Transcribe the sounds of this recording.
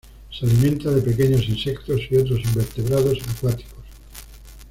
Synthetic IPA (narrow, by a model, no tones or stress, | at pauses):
sealimẽnt̪aðe̞pe̞ke̞ɲo̞sinse̞k̚t̪o̞siot̪ɾo̞simbe̞ɾt̪e̞βɾað̞o̞sakwat̪i̥kos